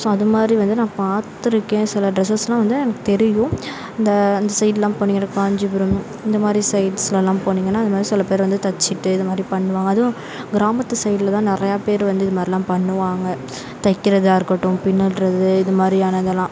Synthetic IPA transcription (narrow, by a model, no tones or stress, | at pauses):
sõːɐðɯmaːd̪ɾiʋɐnd̪ɯnãːpaːt̪ːɪɾɯkːẽːsɪlɐɖɾɛsɐslãːʋɐnd̪ɯɛnɐkːɯ̥t̪ɛɾɪjʊ̃ | ɪnd̪ɐːnd̪ɐsɐɪɖlãːpoːniːŋɡɐnakaːɲd͡ʒɯbɪɾɯm | ɪnd̪ɐmaːd̪ɾisɐɪɖslɐlːãːpoːniːŋɡɐnːaːɪnɐmaːd̪ɾisɪlːɐpeːɾʋɐnd̪ɯt̪ɐt͡ʃːɪʈːɯɪðɐmaːd̪ɾipɐɳːɯʋaːŋɡɐːð̃ | ɡɪɾaːmɐt̪ːɯsɐɪɖɪlɐt̪ãːnɪɾɐjaːpeːɾʋɐnd̪ɯɪðɐmaːd̪ɾilːãːpɐɳːɯʋaːŋɡɐ | t̪ɐɪkːɪɾɐðɯaːɾɯkːɐʈːɯ̃pɪnːɯɭɾɐðɯɪðɯmaːd̪ɾiaːnɐnðd̪ɛlːãː